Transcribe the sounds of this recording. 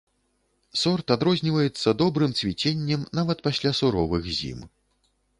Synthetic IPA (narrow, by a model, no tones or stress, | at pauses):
sɔrt̪ad̪ɾɔzʲnʲivɐjɛt̪sːɐd̪ɔbɾɨmt̪svʲit͡sʲenʲːɛmnavɐt̪pasʲlʲasuɾɔvɨɣzʲḭm